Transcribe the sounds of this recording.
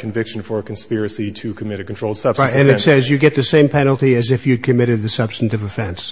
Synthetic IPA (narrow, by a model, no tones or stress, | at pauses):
kʰɨ̃ɱvɪkʃn̩fə˞ɨkʰn̩spɪɹɨsiɾʰɨkʰɨmɪɾɨkntʰoʊlˠd̥sʌb̥ɨ̃nɨtsɛzjɨɡɛt̪̚ðɨsẽɪ̃mpʰɛnl̩ˠtiɨzɨfjɨd̚kʰɨmɪɾɨd̪̚ðɨsʌb̥stn̩tɨvɨfɛ̃ns